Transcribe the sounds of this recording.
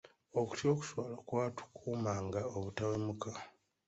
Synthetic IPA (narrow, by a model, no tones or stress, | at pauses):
o̞ku̥tjo̞ːku̥swaːlokwaːtu̥kʰuːmaːŋɡaoβutawemuka